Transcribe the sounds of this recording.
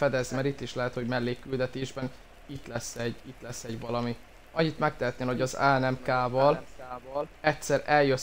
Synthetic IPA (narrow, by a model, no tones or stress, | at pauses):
fɛd̪ɛzimɛɾit̪ːiʃlɛɦɛt̪ho̞ɟmɛlːeːkyld̪ɛt̪eːʒbɛn | it̪lɛsːɛɟit̪lɛsːɛɟvɒlɒmi | ɒɲːit̪mɛk̚t̪ɛɦɛt̪neːlo̞ɟɒza̰ːnɛmkaːvɒlːvɒlɛtsɛɾɛljø